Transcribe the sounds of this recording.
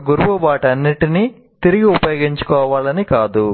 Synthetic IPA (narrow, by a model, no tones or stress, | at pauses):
ɡuɾuʋɐbaːʈɐnːiʈini | t̪iɾiɡiupɐjoːɡiɲt͡ʃu̥kɔːʋaːlɐnikaːd̪u